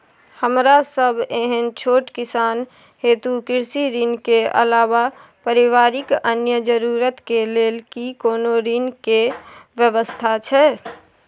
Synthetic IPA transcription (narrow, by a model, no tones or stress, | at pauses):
həmɾasəbʱeɦənt͡ʃʰoːʈkɪsaːn | heːt̪ukɪɾsiɾinkeə̰laːʋapəɾiʋaːɾɪkənjəd͡ʒəɾuɾət̪keleːlkikoːnoɾinkeʋjəʋəst̪ʰat͡ʃʰɛ